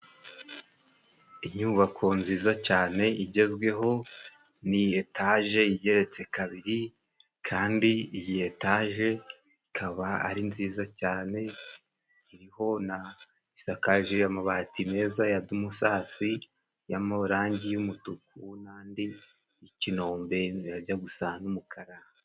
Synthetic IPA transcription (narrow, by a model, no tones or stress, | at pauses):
iɲuːβakʰo̞nziːzacaːne̞ʔiɟe̞zɡwe̞ɦo̞ | nietaʒe̞jiɟe̞ɾe̞t͡se̞kaβiɾi | kʰaːndiijihetaːʒe̞ | ikʰaβaa̰ɾinziːzacaːne̞ | iɾiho̞na | isakaʒijamaβatime̞ːzajadumusaːsi | jamaβuɾaːɲɟijumutukunaːndiː | cino̞ːmbe̞iɾaɟaɡusanumukʰaɾa